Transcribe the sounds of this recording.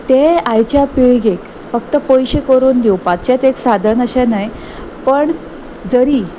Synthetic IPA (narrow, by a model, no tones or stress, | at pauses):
t̪eajt͡ɕjapeɭɡek | fəkt̪əpojɕekəɾuːnd̪jopat̪̚t͡ɕjat͡s̪eksad̪ʱənəɕanaj | pəɳ | d͡zəɾiː